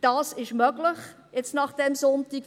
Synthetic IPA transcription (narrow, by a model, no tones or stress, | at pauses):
d̥ɑːsɪʃmœɡlɪχ | jɛt͡stnɑχd̥ɛmsɔntik